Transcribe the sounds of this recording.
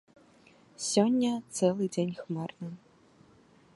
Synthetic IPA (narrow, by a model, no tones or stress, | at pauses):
sʲɔnʲːɐt̪sɛlˠɨd͡zʲenʲxmarnɐ